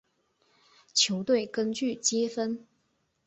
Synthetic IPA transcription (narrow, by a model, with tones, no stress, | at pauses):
t͡ɕʰjo˧˥ʊt̪we˥˩ɪkə˥nt͡ɕy˥˨t͡ɕjɛ˥fə˥n